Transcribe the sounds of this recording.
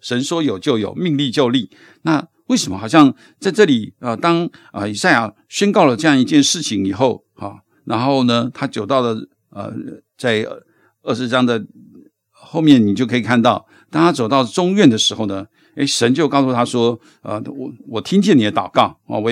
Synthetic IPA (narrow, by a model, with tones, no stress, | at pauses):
ʂə˧˥nʂwɔ˥jo˨˩ʊt͡ɕjo˥˩ʊjo̰˨˩ʊmi˥˧ŋli˥˧t͡ɕjo˥˧ʊli˥˩ | na˥˧ | we˥˩ɪʂə˧˥mə̰˧xɑ˨˩ɕjɑ˥˧ŋ | t͡sa˥˧ɪʈ͡ʂɤ˥˩li˨˩ə˧t̪ɑ˥ŋ | ə̰˧i˨˩sa˥˩ɪja˨˩ | ɕɥɛ˥nkɑ˥˩ʊlə˩ʈ͡ʂɤ˥˧jɑ˥ŋi˧t͡ɕjɛ˥˧nʂɻ̩˥˩t͡ɕʰi˧˩ŋi˨˩xo˥˩ʊ | a̰˥˩ | na˧˥nxo˥˧ʊnə˩t̪ʰa˥t͡ɕjo˨˩ʊt̪ɑ˥˩ʊlə˩ | ə̰˩ | t͡sa˥˧ɪ˩ | ə˥˩ʂɻ̩˧ʈ͡ʂɑ˥ŋd̪ə˨ | xo˥˧ʊmjɛ˥˩nni˨˩t͡ɕo˥˩kʰɤ˧˥i˨˩kʰa˥˧nt̪ɑ˥˩ʊ | t̪ɑ˥ŋt̪ʰa˥t͡so˨˩ʊt̪ɑ˥˩ʊə˩ʈ͡ʂʊ˥ŋɥɛ˥˩nd̪ə˩ʂɻ̩˧˥xo˥˩ʊnə˩ | e˥ɪʂə˧˥nt͡ɕjo˥˧ʊkɑ˥˧ʊsu˥˩a˥ʂwɔ˥ | ə̰˧wɔ˨˩t̪ʰi˥ŋt͡ɕjɛ˥˩ni˨d̪ə˦t̪ɑ˨˩ʊkɑ˥˩ʊa̰˩wɔ˧